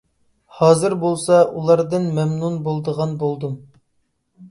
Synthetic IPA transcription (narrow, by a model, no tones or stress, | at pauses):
hɑːzɨɾbolˠsɑulˠɑɾd̪ɨnmɛmnunbolˠd̪əʁɑnbolˠd̪um